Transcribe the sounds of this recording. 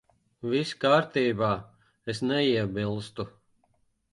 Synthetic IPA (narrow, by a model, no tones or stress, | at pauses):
viskaːɾt̪iːbaː | esnɛiɛbilˠst̪u